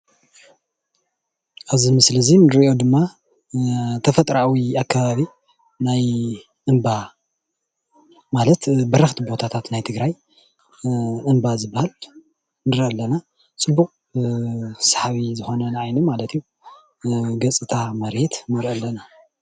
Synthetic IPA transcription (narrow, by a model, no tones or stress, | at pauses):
ʔazimɨslɐzinɨɾiʔo̞d̪ɨmːa | t̪ʰɐfɐt̪ʼɾawiakːaβaβi | naj | ʔɨmba | malɐt̪bɐɾɐxt̪ʰibo̞t̪ʰat̪ʰat̪najt̪ʰɨɡɾaj | ʔɨmbazɨbːahal | nɨɾɐlːɐna | t͡sʼɨbːukʼ | sḁħaβizɨxo̞nɐnʔajnumalɐt̪ʰiju | ɡɐt͡sʼɨt̪ʰamɐɾet̪mɐɾʔɐlːɐna